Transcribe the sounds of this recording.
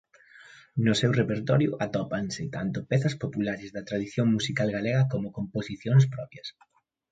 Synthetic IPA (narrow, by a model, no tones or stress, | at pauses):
nʊsɛwrepeɾt̪ɔɾjʊ̰ʔat̪ɔpansɪt̪ant̪ʊpɛθɐspopulaɾɪzðɐt̪ɾaðiθjoŋmusikalɣalɛɣɐkomʊkomposiθjoŋs̬pɾɔpjɐs